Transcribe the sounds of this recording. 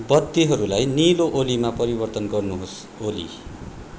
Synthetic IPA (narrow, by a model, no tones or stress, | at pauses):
bʌd̪ːiɦʌɾulajniloʔolimapʌɾibʌrt̪ʌnɡʌrnuɦos | olḭ